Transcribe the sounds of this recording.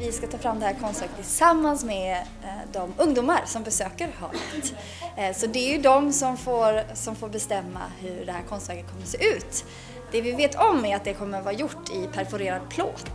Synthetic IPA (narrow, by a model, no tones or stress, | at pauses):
vɪskat̪ʰɑːfɾamːd̪ɛhæːɾkʰɔnst̪vɛːɾɡət̪ʰːɪlsamːansmɛ | d̪ɔmɵŋd̪uːmaɾsɔmbɛsøːkəɾhɑ̰ːɾɛt̪ | sɔd̪ɛɛɾjɵd̪ɔmsɔmfoːɾsɔmfoːɾbɛst̪ɛmːa̰hɵɖɛhæːɾkʰɔnst̪væːɡət̪kʰɔmːəɾseːʔʉ̟ːt̪ | d̪̥ɛvɪveːt̪ʰɔmːɛɾat̪̚d̪ɛkʰɔmːəɾvɑːɾajʊʈːɪpʰæɾfʊɾeːɾad̪̚pʰloːt̪